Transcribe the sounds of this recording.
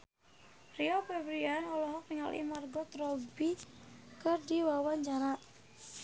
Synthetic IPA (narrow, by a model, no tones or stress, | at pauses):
riɔpɛbɾianɔlɔɦɔk̚niŋa̰lʔḭmarɡɔt̪ɾɔbikərdiwawaɲd͡ʒaɾaʔ